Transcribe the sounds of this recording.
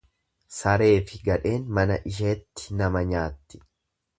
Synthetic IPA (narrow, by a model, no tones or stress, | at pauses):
sɐɾe̞ːfɪɡɐᶑe̞ːnmɐnɐʔɪʃ̬e̞ːt̪ːɪ̥nɐmɐɲaːt̪ːɪ̥